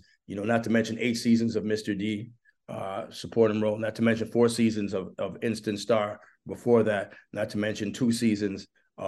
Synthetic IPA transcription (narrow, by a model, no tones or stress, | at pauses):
jɨnoʊnətʰəmɛ̃nʃɨ̃neɪtsizɨ̃nzʌvmɪstə˞di | səpʰɔɹɾɪ̃nɹoʊlˠnətʰəmɛ̃nʃɨ̃nfɔɹsizɨ̃nzʌvʌvɪ̃nstɨ̃ntstɑɹ | bəfɔɹðæt̚nətʰəmɛ̃nʃɨ̃ntʰusizɨ̃nz̥